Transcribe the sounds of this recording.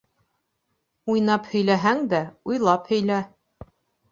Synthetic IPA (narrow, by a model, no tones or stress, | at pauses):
ujnɑphɵ̆jlæɦæŋd̪æujlˠɑphɵ̆jlæ